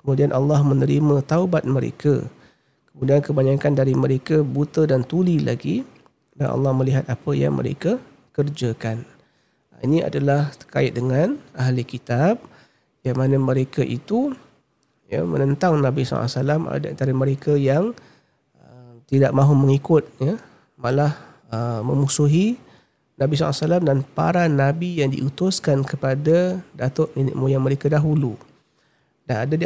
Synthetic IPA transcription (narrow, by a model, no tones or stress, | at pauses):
kəmudianʔɑlːɑhmənəɾimãt̪aubat̪̚məɾḛka̰ | kəmudiankəbaɲakandaɾiməɾekabut̪ədant̪ulila̰ɡi | danʔɑ̰lːɑhməliɦat̪̚apəja̰ŋmə̰ɾḛka | kərd͡ʒakan | inia̰dalaht̪ə̥kaɪt̪̚dəŋanaɦlikit̪ab̚ | jamanəməɾekaʔit̪u | jə̰mə̰nənt̪aŋnabisɔ̰a̰salama̰daa̰nt̪aɾəməɾekajaŋ | ət̪idaʔ̚maɦuməŋikʊt̪̚ja | malah | əməmusuɦi | nabisa̰salamdanpa̰ɾanːabijaŋdḭʔut̪ʊskankəpadadat̪ʊʔ̚minɪ̰ʔmujaməɾekadaɦulu | danadadi